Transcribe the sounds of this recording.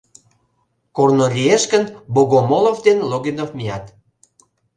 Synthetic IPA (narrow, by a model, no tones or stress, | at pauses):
kornolʲieʃkənboɣomolovd̪enloɣinofmijɑt̪